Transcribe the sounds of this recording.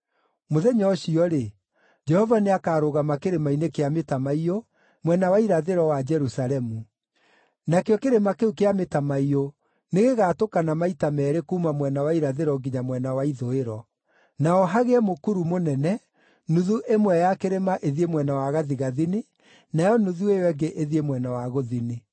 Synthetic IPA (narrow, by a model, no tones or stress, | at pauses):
moðɛɲɔːɕiɔɾe | d͡ʒɛhɔvaneakaːɾoɣamakeɾemainekeametamaio | mwɛnawaiɾaðeɾɔwad͡ʒɛɾusaɾɛmu | nakeɔkeɾemakeukeametamaio | neɣeɣaːtokanamaitamɛːɾekuːmamwɛnawaiɾaðeɾɔɡiɲamwɛnawaiðoeɾɔ | naɔɦaɣeɛmokuɾumonɛnɛ | nuðuʔemwɛjakeɾemaʔeðiemwɛnawaɣaðiɣaðine | najɔnuðuejwɛŋɡeʔeðiemwɛnawaɣoðine